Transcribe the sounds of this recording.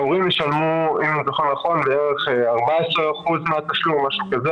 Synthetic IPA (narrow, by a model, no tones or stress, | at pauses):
uʁimjeʃalmuimzoχonːaχo̞nbeeʁeχaʁbaeseʁaχuzmeat̪aʃlumaʃukaze